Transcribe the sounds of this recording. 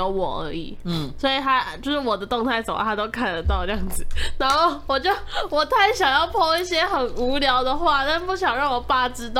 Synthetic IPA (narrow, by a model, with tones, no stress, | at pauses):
o˧˥ʊwɔ̰˨˩ə̰˧˥ḭ˨˩swɔ˧˥i˨˩t̪ʰa˥t͡ɕjo˥˧ʊʂɻ̩˥˩wɔ˨˩d̪ə˦t̪ʊ˥˧ŋt̪ʰa˥˩ɪsə˨˩mə̰˧˦t̪ʰa˥t̪o˥ʊkʰa˥˩nlə˨˩t̪ɑ˥˧ʊʈ͡ʂjɑ˥˩ŋd͡zɹ̩˨˩na˧˥nxo˥˩ʊwɔ˨˩t͡ɕo˥˩ʊwɔ˨˩t̪ʰa˥˩ɪɕjɑ˨˩ŋjɑ˥˧ʊpʰɔ˥˧ŋi˥˩ɕjɛ˥xə˨˩nu˧˥ljɑ˧˥ʊd̪ə˨xwa˥˧t̪a˥˧˥pu˥˩ɕ̬jɑ˨˩ŋɻɑ˥˩ŋwɔ˨˩pa˥˩ʈ͡ʂɻ̩˥t̪ɑ˥˩